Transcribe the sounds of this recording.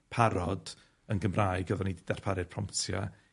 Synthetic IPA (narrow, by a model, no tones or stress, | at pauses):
pʰaɾɔd | ənɡəmraːjɡəðɔnididar̥pʰaɾɨr̥pʰrɔmptʰja̰